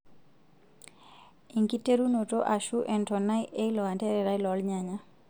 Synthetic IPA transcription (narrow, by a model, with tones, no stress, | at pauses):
i˨ŋki˦te˦ɾu˦no˨to˦ʔa˨ʃu˦ʔɛ˨ntɔ˨na˦jʔe˦ilɔ˨a˨ntɛ˦ɾɛ˨ɾa˦i˦lɔ˨˦lɲaɲa˦